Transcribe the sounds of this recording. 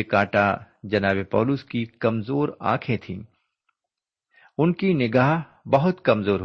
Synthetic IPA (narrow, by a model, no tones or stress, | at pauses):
ekaːʈa | d͡ʒɐnaːbepɔ̰ːlʊskikɐmzoːɾa̰ːkʰẽt̪ʰḭ̃ː | ʊnkinɪɡaːɦ | bɐɦʊt̪kɐmzoːɾɦ